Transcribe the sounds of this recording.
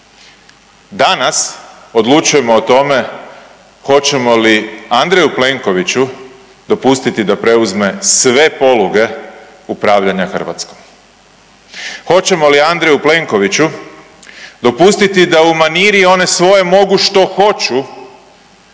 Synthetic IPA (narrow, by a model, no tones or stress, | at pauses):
d̪anas | o̞d̪lˠut͡ʃuje̞mo̞ːt̪o̞me̞ | xo̞t͡ɕe̞mo̞liand̪ɾejuple̞ŋko̞ʋit͡ɕu | d̪o̞pust̪it̪id̪apɾe̞uzme̞sʋe̞po̞luɡe̞ | upɾaːʋʎaɲaxər̩ʋa̰t̪skom | xo̞t͡ɕe̞mo̞liand̪ɾejuple̞ŋko̞ʋit͡ɕu | d̪opust̪it̪id̪aumaniːɾio̞ne̞sʋo̞je̞mo̞ɡuʃt̪o̞xo̞t͡ɕu